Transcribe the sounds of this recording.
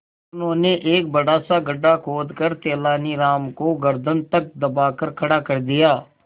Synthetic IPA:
ʊnɦõːneːʔeːk̚bəɽaːsaːɡəɖːaːkʰoːd̪kəɾt̪eːlaːniːɾaːmkoɡəɾd̪ənt̪ək̚d̪əbaːkəɾkʰəɽaːkəɾd̪ɪjaː

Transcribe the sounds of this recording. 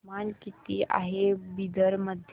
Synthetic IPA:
mankit̪ia̰ɦebid̪əɾməd̪ʱ

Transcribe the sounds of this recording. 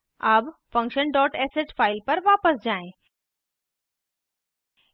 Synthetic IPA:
ɐbfɐ̃ŋkʃənɖɔːʈɛːseʈfʰaːɪlpɐɾʋaːpəsd͡ʑaːẽ

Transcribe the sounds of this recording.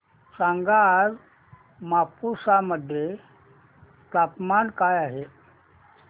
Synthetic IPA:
sãŋɡaɾ | mapusaməd̪ʱje | t̪apmankajaɦe

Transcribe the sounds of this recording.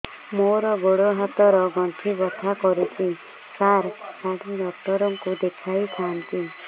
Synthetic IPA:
moɾɔɡoɽoɦat̪ɔɾɔɡɔntʰibɔt̪ʰakɔɾut͡ʃʰi | saɾkaɽiɖɔk̚ʈɔɾɔŋkud̪ekʰajt̪ʰant̪i

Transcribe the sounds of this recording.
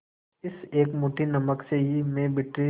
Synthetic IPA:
ɪseːkmuːʈinɐməkseɦimẽbɪʈɾi

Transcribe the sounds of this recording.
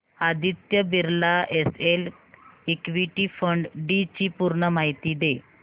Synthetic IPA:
ad̪ʱit̪jəbiɾlaʔesel | ekʋiʈifəɳɖɖit͡ɕipuɾɳəmaɦit̪iːd̪e

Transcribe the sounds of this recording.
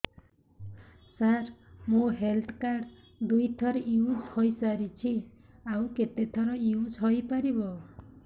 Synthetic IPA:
saɾmoɦelt̪ʰkaɖ | d̪ujt̪ʰʌɾiud͡zhʌjt͡saɾit͡sʰi | awket̪et̪ʰʌɾiud͡zɦʌjpaɾibo

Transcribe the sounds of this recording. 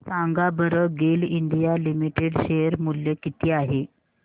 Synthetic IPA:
saŋɡabəɾəɡelind̪ijalimiʈeɽɕeəɾmuljəkit̪ʰiːaɦe

